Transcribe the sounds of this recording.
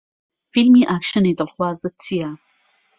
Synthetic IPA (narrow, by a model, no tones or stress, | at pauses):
filmiʔakʃəned̪əlxwaːzd̪ət͡sija